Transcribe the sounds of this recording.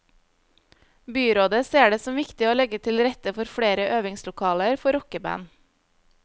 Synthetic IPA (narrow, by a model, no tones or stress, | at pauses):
byːɾoːd̪əseːɖeːsɔmʋɪkt̪ɪoːlɛɡət̪ʰɪlɾɛt̪əfɔɾfɽeːɾəʔøːʋɪŋslʊkʰɑːləɾfɔɾɔkəbæ̰n